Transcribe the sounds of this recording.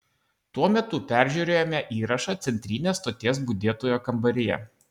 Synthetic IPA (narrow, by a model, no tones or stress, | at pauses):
t̪uɔmʲɛt̪ʊpʲæˑɾʲˑʒʲuːɾʲeːjomʲɛʔiːɾɐʃɑt̪sʲɛnʲt̪ʲɾʲiːnʲeːsːt̪oːt̪ʲeːs̬bʊd̪ʲeːt̪oːjoːkɐmbɐɾʲɪjɛ̰